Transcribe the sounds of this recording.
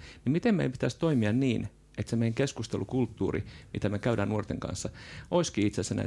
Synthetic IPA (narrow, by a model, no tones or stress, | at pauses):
nimmit̪emmḛijmpit̪æst̪oimiɑnniːn | et̪semeiŋkeskust̪elukult̪ːuːrḭmḭt̪æmekæyɾæːnnuort̪eŋkɑ̰nsːɑʔoiskiːit̪sesenæ̰